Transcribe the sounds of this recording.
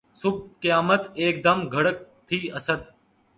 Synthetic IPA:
sʊb̚ʱkɪjaːmət̪eːk̚d̪əmɡʱəɽək̚t̪ʰiːəsəd̪

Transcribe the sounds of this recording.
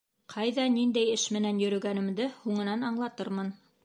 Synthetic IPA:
qʰɑjðɑnind̪æjɘʃmɘ̆nænjɵ̆ɾɵ̆ɡænɘ̆md̪ɘhuɴɤ̆nɑnɑɴlˠɑt̪ɤɾmɤn

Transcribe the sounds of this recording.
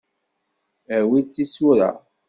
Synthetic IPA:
əɾwit͡sːisuɾa̰

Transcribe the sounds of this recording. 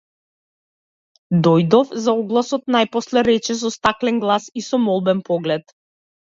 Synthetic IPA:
d̪ɔjd̪ɔfzaɔɡlˠasɔt̪najpɔslɛɾɛt͡ʃɛs̬ɔst̪aklɛnɡlˠasisɔmɔlˠbɛnpɔɡlɛt̪

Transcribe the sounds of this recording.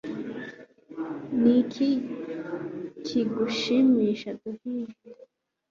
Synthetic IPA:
nikʰi | cʰiɡuʃimiːʃaduhiʒe

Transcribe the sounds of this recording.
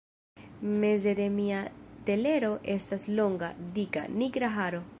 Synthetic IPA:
me̞ze̞ɾe̞miate̞le̞ɾo̞ʔe̞staslo̞ŋɡadika̰niɡɾaɦaɾo̞

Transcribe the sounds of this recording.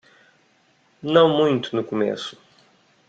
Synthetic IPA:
nɐ̃w̃mũj̃t̪ʊnʊkomḛsʊ̥

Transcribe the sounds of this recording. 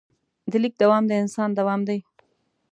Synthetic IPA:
d̪əlik̚d̪ɐwɑːmd̪eɪnsɑːnd̪ɐwɑːmd̪aj

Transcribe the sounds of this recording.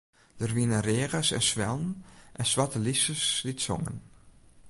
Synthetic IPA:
d̥ərʋinəreːɣəsɛ̰nsʋɛlˠn̩ʔɛnsʋatəlisəslitso̰ŋə̰n

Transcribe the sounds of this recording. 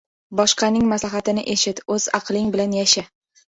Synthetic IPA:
bɒʃqʰɑnɪŋmaslaɦat̪ɪnɪʔe̞ʃɪt̪ɵz̥ɑ̰qlˠɪŋbɪlanjaʃɪ

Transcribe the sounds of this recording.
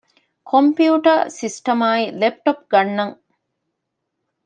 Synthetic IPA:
kʰompjiuʈɐsisʈɐmaːilep̚ʈop̚ɡɐnːɐŋ

